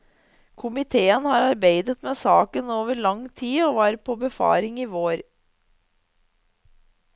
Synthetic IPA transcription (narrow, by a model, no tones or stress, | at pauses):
kʰʊmɪt̪ʰeːənhɑːɾɑɾbeɪd̪ət̪meːsɑːkənoːʋəɾɭɑŋt̪ʰiːoːʋɑːɾpʰɔbəfɑ̰ːɾɪŋiːʋoːɾ